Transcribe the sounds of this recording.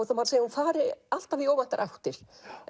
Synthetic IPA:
θamaɾseːjahunfaːɾɪal̥t̪avioːwvant̪aɾʔawt̪ɪɾ̥

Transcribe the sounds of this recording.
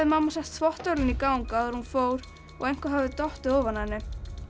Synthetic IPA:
ɪmamːasɛht̪θvɔht̪œɥlɪnikaːwŋkaðɛɾhunfoːwɾ̥ | ɔɣejnkvaɦavʏðt̪ɔht̪ɪɔːvanhanːɪ

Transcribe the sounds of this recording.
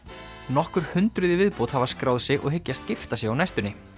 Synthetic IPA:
nɔhkʏɾ̥hʏnt̪ɾʏðɪvɪðpowt̪havaskɾaːwðsɛɣʔɔ̰ɣɦɪcːast̪̚cɪft̪asjɛɣawnajst̪ʏnːɪ

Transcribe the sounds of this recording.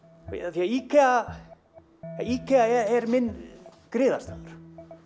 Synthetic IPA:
aθiaikʰɛa | ikʰɛaɛɛɾmɪnː | kɾɪːða̰st̪aːðʏɾ̥

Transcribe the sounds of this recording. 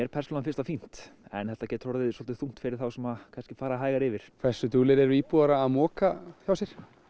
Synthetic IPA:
ɛɾpʰɛɾ̥sɔnanfɪ̥rst̪afin̥t̪ɛ̰nθɛht̪acɛːt̪rɔɾðɪðsɔlt̪ɪ̥θuŋ̥t̪fɪɾɪɾ̥θawsɛmaðkʰanscɪ̥faːɾaɦaːjɣaɾɪvɪɾ̥kʰvɛ̥sʏt̪uːlɪɾɛɾiːpuaɾaːmɔːkaçawsjɛɾ̥

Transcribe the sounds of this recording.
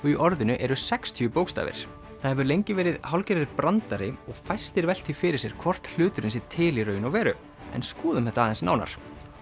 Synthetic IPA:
ɔiʔɔɾðɪnʏʔɛɾʏsɛkst̪ʰyʏpoːwkst̪a̰ːvɪ̰ɾ̥ | θaðhɛvʏɾlejɲcɪvɛːɾɪðɦawlcɛɾɪðʏɾpɾant̪aɾɪɔɣfajst̪ɪɾvɛl̥t̪ʰifɪɾɪ̥sjɛɾ̥kʰvɔr̥t̪l̥ʏːt̪ʏɾɪns̬ɪɾt̪ʰɪːliɾœːɥjnɔɣvɛːɾʏ | ɛ̰nskuːðʏmhɛht̪aːðɛnsna̰wna̰ɾ̥

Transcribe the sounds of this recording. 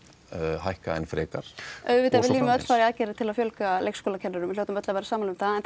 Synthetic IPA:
hajhka̰ɛ̰nfɾɛːkaɾ̥œðvɪt̪avɪliːvʏmɛœt̪faːɾɪaðcɛːɾɪt̪ʰɪlaðfjœlkalejkskɔːlacʰɛnːʏɾʏmɪl̥jowt̪ʏmœt̪lavɛːɾasaːmalʏmθaɛnθ

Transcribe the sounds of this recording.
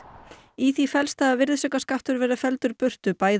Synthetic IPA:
iθifɛlst̪aavɪɾðsœkaskaft̪ʏɾvɛːɾʏfɛlt̪ʏɾpʏr̥t̪ʏpaːjð

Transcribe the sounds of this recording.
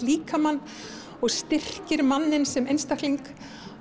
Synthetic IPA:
liːkamanː | ɔɣst̪ɪr̥cɪɾmanːɪnsɛmejnst̪ahkliŋk

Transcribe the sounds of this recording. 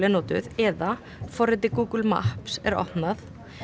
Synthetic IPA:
lɪnoːt̪ʏ̰ðɛːða | fɔrɪt̪ɪkuːkʏlma̰hpsɛ̰ɾɔ̰hpnaθ

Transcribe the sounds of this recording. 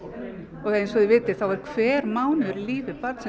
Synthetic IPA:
ɔɣhaensɔðɪvɪːt̪ɪθawɛɾ̥kʰvɛːɾmaːwnʏɾliːvɪpat̪sɛ

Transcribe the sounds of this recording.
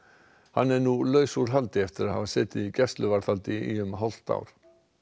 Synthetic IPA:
hanːɛɾnulœːɥsuɾ̥ɦalt̪ɪɛft̪ɪɾaðha̰vasɛːt̪ɪðicɛst̪lʏvaɾ̥θalt̪ɪiʏmɦɔl̥t̪a̰ːwɾ̥

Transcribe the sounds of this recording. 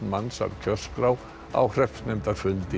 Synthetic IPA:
nmansa̰vcʰœr̥skɾaw | a̰whr̥ɛft̪nɛjmt̪afʏlt̪ɪ

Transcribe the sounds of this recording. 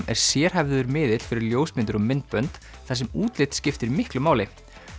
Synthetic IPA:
mɛ̰ɾ̥sjɛːɾ̥ɦɛvððʏɾmɪːðɪt̪l̥fɪɾɪɾljoːwsmɪnt̪ʏɾɔmɪnt̪̚pœnt̪ | θas̬ɛmuːt̪lɪt̪scɪft̪ɪɾimɪhklʏmaːwlɪ

